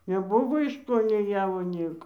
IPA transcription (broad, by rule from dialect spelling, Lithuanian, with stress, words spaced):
nʲɛˈbʊʋoː ɪʃ koː nʲɛɪ ˈjæːʋoː ˈnʲiɛkoː